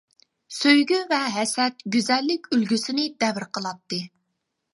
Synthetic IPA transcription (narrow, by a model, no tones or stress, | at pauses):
søjɡʲyvɛɦɛsɛt̪̚ɡʲyzɛlːɪkʲylɡʲysɪnɪd̪ɛvɾqəlˠɑt̪ːɨ